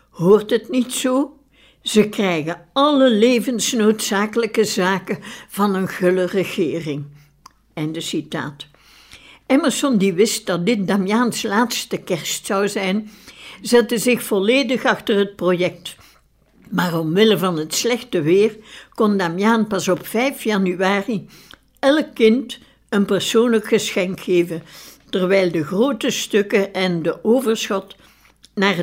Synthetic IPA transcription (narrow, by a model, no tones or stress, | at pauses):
hoːrtɦətnitsoː | z̥əkrɛjɣəɑləleːvənsnoːtsaːkələkəzaːkəv̥ɑnənɣɵlərəɣɪːrɪŋ | ɛndəsita̰ːt | ɛmərsɔndiʋɪst̚dɑt̚dɪt̚damjaːnslaːtstəkɛrstsɑwzɛjnzɛtəzɪxfɔleːdəxɑxtərɦət̚projɛk̚t | maːrɔmʋɪləvɑnɦətslɛxtəʋɪːrkɔndamjaːnpɑsɔpfɛjfjɑnyaːri | ɛlˠkːɪnt | ənpərsoːnləkxəsxɛŋkxeːvəntərʋɛjlˠdəɣroːtəstɵkəʔɛndəʔoːvərsxɑt | naːr